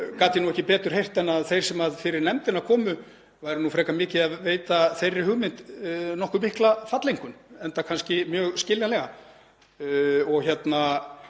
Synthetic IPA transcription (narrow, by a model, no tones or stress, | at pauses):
kaːt̪ɪnuwɛhcɪpɛːt̪ʏɾ̥hejr̥t̪ɛnaðθejɾ̥sɛmaðfɪɾɪɾnɛmt̪ɪnakʰɔːmʏ | vaːjɾɪnufɾɛːkamɪːcɪaðveːjt̪aθejrːɪhʏɣmɪnt̪nɔhkʏmɪhklafat̪lejŋkʏnɛnt̪akʰanscɪmjœːɣscɪljanlɛɣa | ɔɣçjɛt̪na